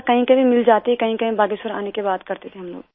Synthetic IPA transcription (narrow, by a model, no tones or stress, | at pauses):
kɐɦĩkɐɦĩmɪld͡ʒaːt̪ikɐɦĩkɐɦĩbaːɡɪsɐɾa̰ːnekebaːd̪kɐɾt̪et̪ʰeɦɐmlo̰ːɡ